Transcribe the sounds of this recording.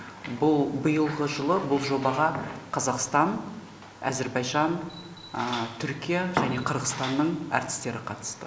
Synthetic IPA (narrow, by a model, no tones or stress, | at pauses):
bʊlˠbəjəlˠʁəʒəlˠəbʊlˠʒo̞bɑʁɑqʰɑzɑqst̪ɑn | æ̰ze̞ɾbɑjʒɑn | t̪ʰʏɾkʲijaʒæne̞qʰəɾʁəst̪ɑnːəɴæ̰ɾt̪ɪ̥st̪e̞ɾɪqʰɑt̪ə̥st̪ə